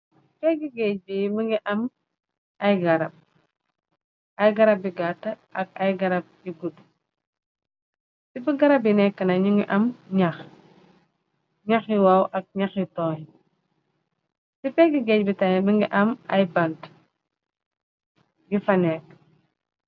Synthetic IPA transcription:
spɛɡiɡɛc̚bimiŋɡiʔɐm | ɐjɡɐɾɐb̚ | ɐjɡɐɾɐb̚iɡatːɐʔɐk̚ɐjɡɐɾɐb̚iɡud | sibiɡɐɾɐb̬jinɛkːɐnɐɲiŋɡiʔɐmɲɐx | ɲɐxjiwawʔɐk̚ɲɐxjitɔːhi | sipɛɡiɡɛcbitɐjməŋɡiʔɐmɐjbɐnt | ɡifɐnɛːk̚

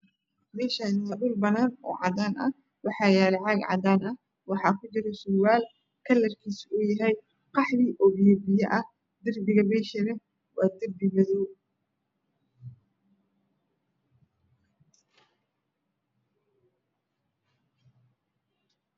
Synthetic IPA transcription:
mɛːʃanɪwɐɖʊlbɐnaːnɔ̰ːʕɑ̰d̪aːnʔɐ̰ | wɑħɑːjaːlɛʕɑɡʕɑ̰d̪aːnɐ | wɑħɑːkʰʊt͡ʃɪɾɛsʊːwaːl | kʰɐlːɐrkʰiːsʊjɐɦɛj | qɑħðiːʔɔːbjɔbɪjɐʔɐ | d̪ɪrbɪɣɐmɛːʃɐnɐ | wɑːd̪ɪrbɪɡɐðuː

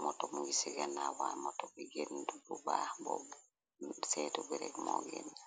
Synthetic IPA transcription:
mɔtɔmuɡisiɡanawamɔtɔbiɡendububabɔ | sɛtubɛɾɛkmɔɡɛn

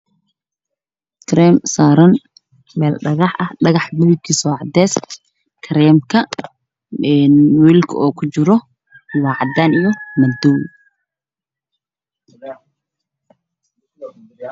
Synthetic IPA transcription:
kʰɾɛːmsaːɾɐn | mɛːlɖɐɣɑħʔɐhɖɐɣɑħmʊðʊkʰisɔːʕɑd̪ɛːs | kʰɐɾɛːmkʰɐ | ɛnwiːlkʰɐ̰ɔːkʰʊt͡ʃɪɾɔ | wɑːʕɑd̪aːnijɔmɐd̪ɔw

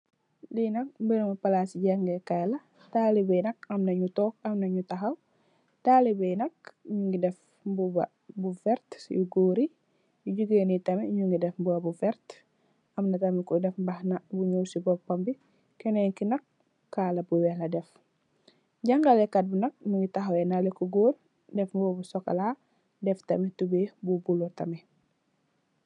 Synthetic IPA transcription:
linɐk̚mbənmɐpɐlaːsiɟaŋɡɛkajlɐ | taːlibɛnɐk̚ɐmnɐɲutɔːkɐmnɐɲutɐxɐw | taːlibɛjnɐk̚iɲuŋɡidɛf | bubɐ | bufɛɾtjuɡoːɾi | juɟuɡeːnitɐmiɲuŋɡidɛfmbuɐbufɛɾt | ɐmnɐtɐmikɔdɛfbahnabuɲowsibɔpːambi | kɛneŋkinɐkː | aːlɐbuwɛhlɐdɛf | ɟaŋɡalekat̚bunɐk̚ɲuŋɡitaɦowɛnalikuɡoːɾ | dɛfmbɔbusɔka̰la | dɛftɐmɛtubebubulotɐmɛ

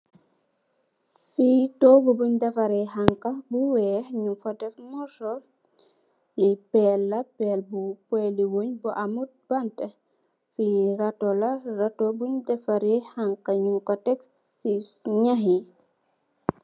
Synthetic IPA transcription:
fitɔbubuɲdɛfɐɾɛhaŋkɐbuwɛːɲufɐdɛfmɔsɔl | fipɛlːɐpɛlbupwɛːliwoɲbuʔamut̚bantɛ | fiɾatɔlɐrɐtɔbuɲdɛfaɾɛhaŋkɐɲukɐtɛk | siɲaɦi

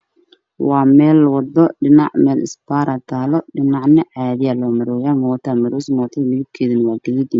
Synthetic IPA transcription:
wɑːmɛːlwɑd̪ɔɖɪnɑ̰ʕmɛːlʔɪ̰sbaːɾɐt̪ʰaːlɔɖɪnɑʕnɪʕɑːðɪjalɔːmɐɾɔjaːmɔːt̪ʰɐmɐɾusmɔːt̪ʰɐnɪɣɪb̚kʰɛːðɪnwaːɡɐɣid̪ɪ

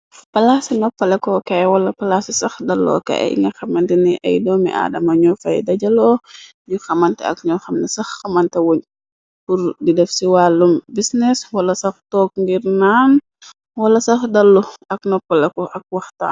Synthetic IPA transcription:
pɐlasinɔpːɐlɛkɔkawɐlɐpɐlasisɐxdɐlːɔ̰ːkɛ̰ʔḭŋɡɐxɐmɐntɛniʔɐ̰jdɔːmḭʔa̰ːdɐmɐɲɔfɐ̰jdɐɟɐlɔː | ɲuxɐmɐntɛɐ̰kɲɔxɐmnɐsɐxːɐmɐntɐwoɲ | puɾdidɛfsiwaːlːumbisnɛswɐlɐsɐxtɔːk̚ŋɡiɾnaːn | wɐlɐsɐxdɐlːuɐknɔpːɐlɛkɔʔɐk̚wɐxta̰ː

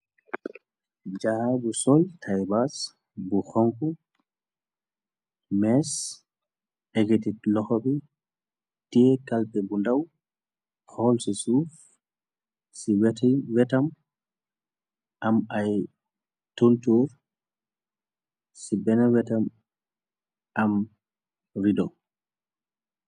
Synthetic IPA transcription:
d͡ʒahabusɔltʰajbas | buxɔŋku | mɛs | ɛɡetitlɔhɔbi | tiɛkalpɛbundaw | hɔlsisuf | siwɛtiwɛtam | ʔamaj | tontuɾ | sibɛnɛwɛtam | ʔam | ɾidɔw

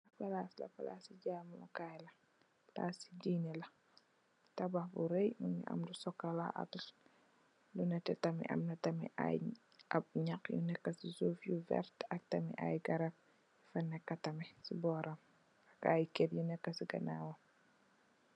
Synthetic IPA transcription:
ɐpɐlaslɐ̰fala̰siɟaːmɐlɐ̰kajlɐ | la̰ːsi̥diːnɛlɐ | tɐbɐxbṵɾɛjmuɲḭʔɐ̰mdusɔkːɐlaʔɐ̰t | lunɐtɛtɐmḭʔɐ̰mnɐtɐmḭʔa̰j | ʔɐp̚ɲɐkjṵnɛkːɐsizuːfjuvɛ̰ɾtɐk̚tɐmḭʔa̰jɡɐɾɐ | jufɐnːɛkːɐtɐmisibɔːɾɐm | ɐkajkɛtjunɛkːɐsiɡɐnaːwɐ

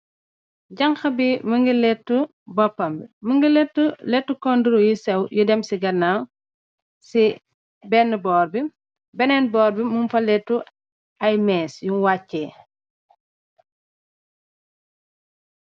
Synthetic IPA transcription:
ɟɐŋxɐbiməŋɡilɛtːu | bɔpːɐmbiməŋɡilɛtːulɛtːukɔnduɾujisɛwjudɛmsiɡɐnːaw | si | bɛnːəbɔːɾbi | bɛnɛnbɔːɾbimumfɐlɛtːu | ɐjmɛːsjunwacːɛː

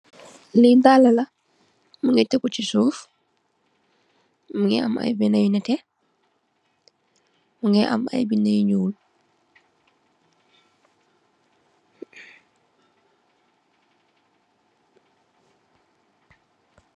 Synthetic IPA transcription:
lidalɐlɐ | muŋɛtɛkut͡ʃisuːf | muŋɛ̰a̰ma̰jbinajnɛtɛ | muŋɛʔa̰ma̰jbinajɲuːl

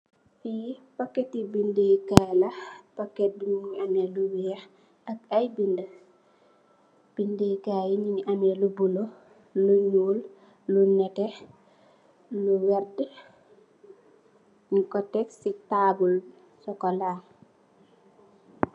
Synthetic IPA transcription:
fipɐkːɛtːibindekalɐpɐkːɛt̚duɲiɲɐnɛluwijɐ | ɐk̚ɐjbində | b̥indekajiɲiɲʔɐnɛlubulo | luɲuːl | lunɛtɛ | luwɛrd | ɲikɔtɛksitaːbul | sɔkɔlaːŋ

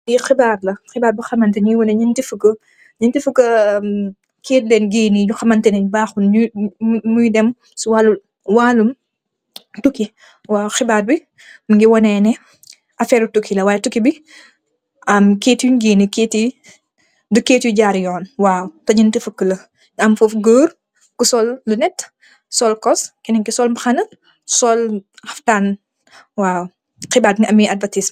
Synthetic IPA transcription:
dixɪbaːrlɐxɪbaːɾbixɐmɐntɛɲujwɐnɛɲintifəkə | ɲintifəkːɐ | keːt̚lɛnɡiːniɲuxɐmɐntɛnɛɲbaːxunumujdɛm | suwaːlu | waːlum | tuki | waːuxɪbaːrbi | məŋɡiwɔnɛːnɛ | ʔɐfɛːɾutukːilɐwaːjɛtukibi | ɐmkeːtjuɲɡiːnikeːti | dukeːtjuɟaːɾjɔːnwaːwtɐɟintifəkːəlɐ | ɐmfufɡəːr | kusɔlːunɛt | sɔlkɔskɛnɛŋkisɔlmɐxɐnɐ | sɔlhɐftan | waːw | xibaːtŋʔɐmiɐdvɐtism

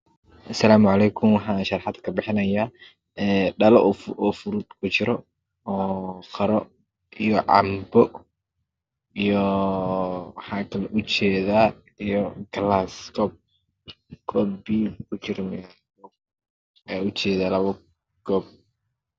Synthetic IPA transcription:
ʔɐsɐlaːmʊʕɑlɛːkʰʊmwɑħɑːnʃɐrħɑd̪kʰɐbɪħɪnɐjaː | ɛːɖɐlɔʔfʔɔːfʊɾud̪kʰʊt͡ʃɪɾɔ | ɔːqɐɾɔ | ʔijɔʕɑ̰mbɔ | ijɔ | wħɑːkʰɐlɛʔʊt͡ʃɛːðaː | ijɔɡlaskʰɔːb̚ | ɡ̥ʰɔːbiːkʰʊt͡ʃɪɾmɪjal | ɛʊt͡ʃɛːðaːlɐβɐ | ɡ̥ɔːb̚

